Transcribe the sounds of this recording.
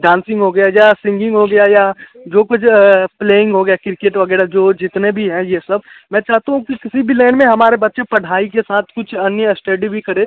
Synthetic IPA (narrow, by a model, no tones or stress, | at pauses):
ɖãːnsɪ̃ŋɡɦoɡɐjajasɪ̃ŋɡɪ̃ŋɡɦoɡɐjaja | d͡ʒoːkʊt͡ʃʰpleːɪ̃ŋɡɦoɡɐjakɪɾɪkeːʈʋəɡɛːɽad͡ʒoːd͡ʒɪt̪nebʱiɦɛ̃jesɐb̚ | mɛ̃ːt͡ʃaːɦt̪aɦũkikɪsibʱilɛ̃ːɳmẽɦɐmaːɾebɐtːʃepɐɽ̤aːikesaːt̪ʰkʊt͡ʃʰɐnjəsʈeɖibʱikɐɾẽː